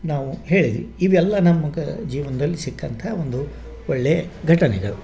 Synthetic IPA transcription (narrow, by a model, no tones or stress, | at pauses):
naːʋuɦe̞ːɭid̪ḭʋiiʋɛlːɐnɐmːɐɡɐd͡ʒiːʋɐnɐd̪ɐlːisikːɐnt̪ʰɐo̞nd̪u | ɔɭːeɡʱɐʈɐnɛɡɐɭu